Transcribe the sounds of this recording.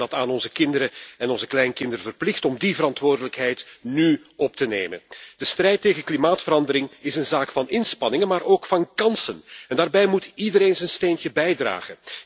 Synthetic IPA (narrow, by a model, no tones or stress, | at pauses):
dɑtaːnɔnzəkɪndəɾəɛnɔnzəklɛjnkɪndəɾəvərplɪxtɔmdivəɾɑntʋoːrdələkɦɛjtny | ɔp̚tənḛːjmə̰nd̥əstrɛjtːeːɣənklimaːtfəɾɑndəɾɪŋɪsənzaːkfɑnɪnspɑnɪŋənmaːɾʔoːkfɑnkɑnsənɛndaːrbɛjmutidəɾeːnzənsteːntəbɛjdra̰ːɣən